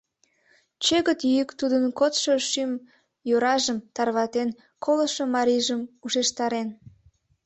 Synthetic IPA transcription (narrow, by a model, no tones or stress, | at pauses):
t͡ɕeɣət̪jyjəkt̪ud̪ənkot̪ʃoʃym | joɾɑʒəmt̪ɑrβɑt̪en | kʰoləʃomɑɾiʒəmuʃeʃt̪ɑɾen